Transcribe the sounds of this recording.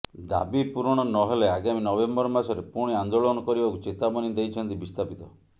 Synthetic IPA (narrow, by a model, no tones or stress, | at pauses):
d̪a̰bipuɾɔɽ̃ɔnɔɦeleaɡaminɔbembɔɾmasɔɾepuɽ̃iand̪oɭɔnɔkɔɾibakut͡ʃet̪abɔnid̪ejt͡ʃʰɔnt̪ibist̪ʰapit̪ɔ